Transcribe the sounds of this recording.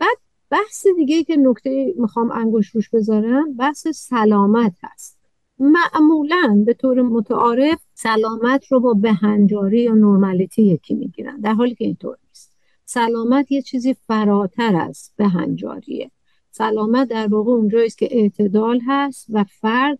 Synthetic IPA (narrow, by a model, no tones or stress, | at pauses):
b̥æd̪̥̚ | b̥æhsed̪iɡejiːce̞no̞kt̪ʰejiːmixɒːmæŋɡoʃɾuʃbe̞zɒːɾæmbæhsesælɒːmæt̪hæ̰st̪ | mæʔmuːlænbe̞t̪ʰoːɾemot̪ʰæʔɒːɾe̞f | sælɒːmæt̪ʰɾobɒːbehænd͡ʒɒːɾiːjɒːnoɾmælit̪ʰijekʰimḭɟiːɾæ̰nd̪æɾɦɒːliːkʲʰeḭnt̪ʰo̰ɾnist̪ | sælɒːmæt̪ʰjet͡ʃʰiːziːfæɾɒːt̪ʰæɾæ̰zb̥eɦæ̰nd͡ʒɒ̰ːɾḭḛ | sælɒːmæt̪̚d̪æɾbɒːɣeond͡ʒɒːiːscʰʲe̞ʔeʔt̪ʰe̞d̪ɒːlɦæst̪væfæɾd̪̥